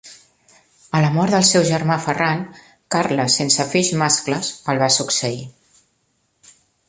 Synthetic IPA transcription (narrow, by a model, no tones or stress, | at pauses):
ələmɔɾðəlˠsɛwʒəɾmafəraŋ | kaɾləsensəfiʒmaskləsəlˠβasuksəi